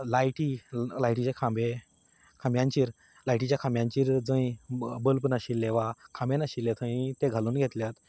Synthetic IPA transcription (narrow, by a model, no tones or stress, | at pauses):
lajʈilajʈit͡ɕakʰãmbe | kʰãmbjãɲt͡ɕiːɾ | lajʈit͡ɕjakʰãmbjãɲt͡ɕiːɾd͡zə̃ĩbəlpnaɕilːeʋakʰãmbenaɕilːet̪ʰə̃ĩt̪eɡʱaluːnɡʱet̪ljat̪